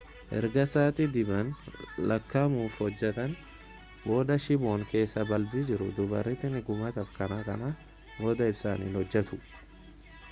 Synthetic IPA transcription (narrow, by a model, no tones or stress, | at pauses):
ʔɛ̰ɾɡɐsaːt̪ɪd̪ɪbɐnlʔɐkːɐmuːfhɔd͡ʒːɛt̪ɐn | bo̞ːd̪ɐʃɪboːŋke̞ːsːɐbɐlbid͡ʒɪɾʊd̪ʊbɐ̰rːɪt̪ɪnɪɡʊmɐt̪ɐfkɐnakɐna | bo̞ːd̪ɐɪsa̰ːnḭːnhɔd͡ʒːɛt̪ʊ